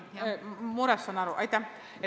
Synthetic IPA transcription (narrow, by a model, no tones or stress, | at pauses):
moɾasanaɾoʔajt̪a | e